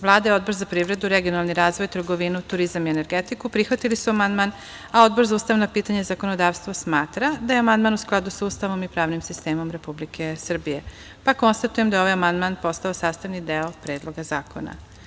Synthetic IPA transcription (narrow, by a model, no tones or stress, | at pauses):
ʋlˠaːd̪ao̞d̪bo̞ɾzapɾiːʋɾe̞d̪uɾe̞ɡijo̞nalˠniɾaːzʋo̞jt̪r̩ɡo̞ʋinut̪uɾizamiene̞ɾɡet̪ikupɾixʋat̪ilisuamand̪man | ao̞d̪̚bo̞ɾzauːst̪aʋnopiːt̪aɲezako̞no̞d̪aːʋst̪ʋosmaːt̪ɾad̪ajeamand̪maːnusklˠad̪usuːst̪aʋo̞mipɾaːʋnimsist̪eːmo̞mɾe̞publikʰesr̩bije | pako̞nst̪at̪ujemd̪ajo̞ʋajamand̪manpo̞st̪aosaːst̪aʋnid̪eopɾeːd̪lˠo̞ɡazaːko̞̰na̰